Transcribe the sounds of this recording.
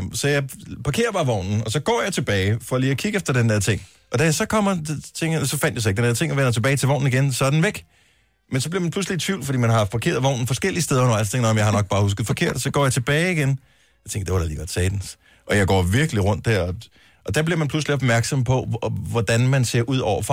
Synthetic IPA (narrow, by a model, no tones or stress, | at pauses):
sɒ̽jɑ̈ɪpʰɑ̈kʰe̝ːɐb̥ɑ̈ːʋɒʊ̰nn̩ɒ̽sɒ̽ɡ̥ɒ̰ːjɑ̈ɪt͡sʰe̝b̥ɛːɪfɒliːɒkʰiɡ̥əefd̥ɐd̥end̥eɐ̰t͡sʰe̝ŋ̰ | ʔɒ̽d̥æjɑsɒ̽kʰɒm̰ɐt͡sʰeŋ̰sɒ̽fæn̰d̥jasɒ̽eɡ̥̚d̥end̥eɐt͡sʰe̝ŋ̰ɒ̽ʋenɐt͡sʰe̝b̥ɛːɪt͡sʰe̝ʋɒ̰ʊ̰n̩iɡ̥ensɒ̽d̥n̩ʋeɡ̥ | mensɒbliɐmænpʰluslit͡sʰʋiʊlfɒd̥ḭːmænɦɑ̈fɒkʰe̝̰ɐðˠʋɒʊ̰n̩fɒ̽sɡ̥el̰iəsd̥eðˠɐonɐst͡sʰeŋɡdɒmjɑ̈ɪhɑ̈nɒ̽ɡ̥̚b̥ɑ̈ːhus̬ɡ̥ð̩ˠfɒ̽kʰe̝ɐ̰d̥sɒ̽ɡ̥ɒ̰ːjɑ̈ɪt͡sʰe̝b̥ɛːɪiɡ̥en | jɑaɪt͡sʰeŋɡ̥ɐd̥e̝ʋɑɾɑ̈lḭːɡ̥ɒ̽d̥sɛːd̥en̩s | ʔɒ̽jɑ̈ɪɡɒ̰ːʋiɐɡ̥əliʁɔ̽n̰d̥ːæɐ̰ɒ̽ | ʔɒ̽d̥æɐb̥liɐmænpʰl̥usliɒb̥mæɐɡ̥sɒ̽m̰pʰɒ̽ʋɒd̥ænmænse̝ɐʔuð̰ˠɒʊ̰ɐfʁɑ